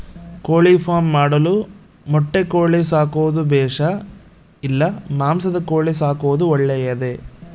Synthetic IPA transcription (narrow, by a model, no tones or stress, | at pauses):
koːɭipʰaːmːaːɽɐlu | mɔʈːekoːɭisaːkuʋɐd̪ubɛːʂɐ | ilːɐmaːmsɐd̪ɐkoːɭisaːkuʋɐd̪uɔɭːɛjɐd̪e